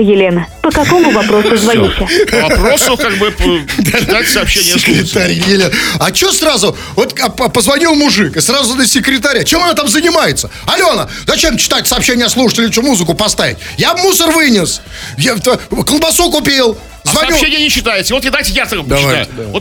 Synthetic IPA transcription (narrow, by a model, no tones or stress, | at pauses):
jɪlʲenəpəkɐkomʊvɐpɾosʊzvɐnʲisʲɪɐpɾosʊkaɡ̚bɨpd̪ad̪ajtʲɪsɐpɕːenʲɪəɪkɾʲɪt̪aɾʲjjɪlʲenɐt͡ɕɪosrazʊ | vo̞t̪ppəzvɐnʲilˠmʊʐɨkɨsrazʊnəsʲɪkɾʲɪt̪̬aɾʲat͡ɕemɐnat̪amzənʲɪmajɪt̪sə | ɐlʲo̞ɐna̰ | zɐt͡ɕemt͡ɕɪ̥t̪atʲsɐːpɕːenʲɪjəslˠuʂɨ̥tʲɪlʲɪt͡ɕomuzɨkʊpɐst̪avʲɪ̰tʲjamusərvɨnʲɪs | jat̪kəlˠbɐsukʊpʲelˠ | zvɐnʲɐilʃenʲɪjənʲɪɕːɪ̥t̪ajɪtʲvot̪jad̪ajtʲɪjasəkmd̪ɐajad̪vot̪